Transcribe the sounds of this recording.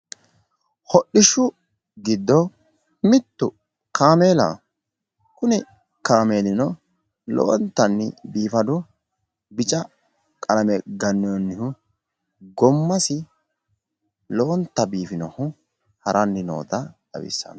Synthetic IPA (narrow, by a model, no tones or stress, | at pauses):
hɔɗːɪʃʊ | ɡɪd̪ːɔ | mɪt̪ːʊ | kʰaːmeːlɐ̰ | kʊnɛ | kaːmeːlɪnɔ | lo̰ːnt̪ːɐnːɪbiːfɐd̪ʊ | bɪt͡ʃʼɐ | kʼɐlɐmɛɡɐnːɪjɔnːɪhʊ | ɡɔmːɐsɪ | loːnt̪ːɐbiːfɪnɔhʊ | hɐɾʔɐnːɪno̰ːt̪ɐd̪ɐ̰wɪ̰sːɐ̰nɐ